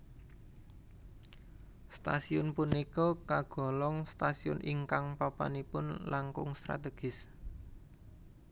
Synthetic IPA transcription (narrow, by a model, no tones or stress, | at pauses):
st̪a̰siʊnpunikɔkaɡ̥ɔ̤lɔŋst̪asiʊ̰nʔiŋkaŋpapa̰nipʊnlaŋkʊŋst̪ɾa̰t̪eɡ̥ɪs